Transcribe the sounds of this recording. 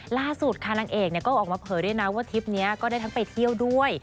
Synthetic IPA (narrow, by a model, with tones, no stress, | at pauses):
laː˥˩su˨˩t̪̚kʰa˧˩na˧ŋʔeː˨˩k̚ni˧˩ɐkɔː˥˩ʔɔː˨˩k̚maː˧pʰɤː˨˩jdu˥˩˨jna˦˥waː˥˩t̪ʰi˦˥p̚ni˦˥ɐkɔː˥˩daː˥˩jt̪ʰa˦˥ŋpa˧˨jt̪ʰi˥˩əwdu˥˩əj